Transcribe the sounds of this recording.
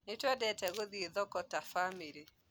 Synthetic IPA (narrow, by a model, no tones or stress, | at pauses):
netɛdɛtɛɣoðieðɔkɔtafamiɾi